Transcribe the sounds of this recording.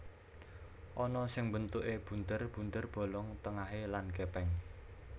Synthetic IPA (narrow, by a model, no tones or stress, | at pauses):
ʔɔnɔsɪŋbənt̪uʔeb̥unt̪ərb̥ṳnt̪ərb̥o̤lɔŋt̪əŋaɦelanɡepɛŋ